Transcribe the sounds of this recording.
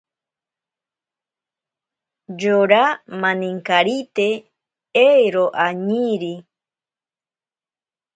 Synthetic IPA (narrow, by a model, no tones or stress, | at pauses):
d͡ʒoɾamãnĩŋkaɾit̪e | ejɾoʔaɲiɾi